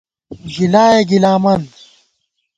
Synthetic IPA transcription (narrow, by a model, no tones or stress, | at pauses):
d͡ʑilaːjeɡilaːmɐn